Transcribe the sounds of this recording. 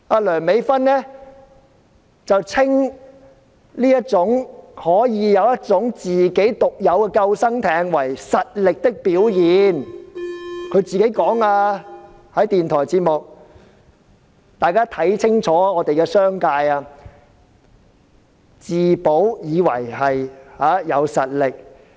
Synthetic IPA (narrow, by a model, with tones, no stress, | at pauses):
aː˧lœː˨˩ŋme˨˧jfɐ˥nːɛː˥ | t͡sɐ˨wt͡sʰɪ˥ŋ | liː˥jɐ˥t̚t͡sʊ˨˥ŋhɔː˨˥jiː˨˧jɐ˨˧wjɐ˥t̚t͡sʊ˨˥ŋt͡siː˨ke˨˥jt̪ʊ˨k̚jɐ˨˧wkɛː˧kɐ˧wsɐ˥ŋt̪ʰɛː˨˧ŋwɐ˨˩jsɐ˨t̚lɪ˨k̚t̪ɪ˥k̚piː˨˥wjiː˨˧n | kʰɵ˨˧ɥt͡siː˨ke˨˥jkɔː˨˥ŋaː˧ | hɐ˨˥jt̪iː˨nt̪ʰɔː˨˩jt͡siː˧t̚mʊ˨k̚ | t̪aː˨jkaː˥t̪ʰɐ˨˥jt͡sʰɪ˥ŋt͡sʰɔː˨˥ɔː˨˧t̪e˨jkɛː˧sœː˥ŋkaː˧jaː˧ | t͡siː˨˩po˨˥wjiː˨˧wɐ̰˨˩jhɐ˨jhaː˨˦˥jɐ˨˧wsɐ˨t̚lɪ˨k̚